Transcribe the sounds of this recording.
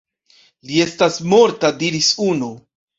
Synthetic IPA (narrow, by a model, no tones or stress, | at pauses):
lie̞stasmo̞ɾtadiɾisunu